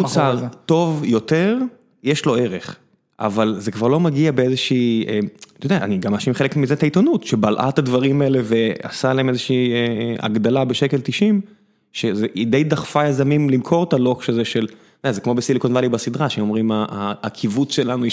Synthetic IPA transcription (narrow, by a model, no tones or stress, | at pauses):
ut͡sat̪o̞vjo̞t̪eʁ | jeʃlo̞e̞ʁe̞χ | ʔa̰valzekvaʁlo̞maɡiabeezeʃiːemt̪ojodea̰ːniɡamaʃimχelekmizetait̪onut̪ʃebalʔa̰t̪ad̪vaʁimaele̞ve̞a̰salahemezeʃiːea̰ɡd̪alabe̞ʃe̞kelt̪iʃim | ʃezeʔid̪ejd̪aχfajazamimlimkʰo̞ʁt̪alo̞kʃazeʃe̞l | dazekmo̞besilikonvalibasid̪ʁaʃemo̞mʁimaaːkʰivut͡sʃe̞lanu